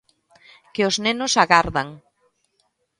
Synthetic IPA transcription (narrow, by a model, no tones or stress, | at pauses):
keoznenʊsaɣaɾðaŋ